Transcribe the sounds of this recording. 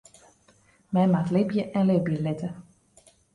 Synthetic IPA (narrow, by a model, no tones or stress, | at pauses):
mɛjmatlɪbjəʔɛnlɪbjəlɪtə